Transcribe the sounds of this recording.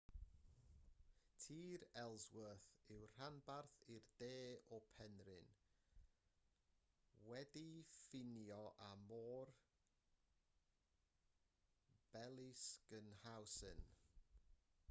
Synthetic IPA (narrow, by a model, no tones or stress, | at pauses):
tʰiːɾɛlˠzwəθɪwr̥anbarθɪrd̥eːɔpʰɛnrɪn | wɛdifɪnjɔʔamɔːr | b̥ɛlˠɪskənhawsɨn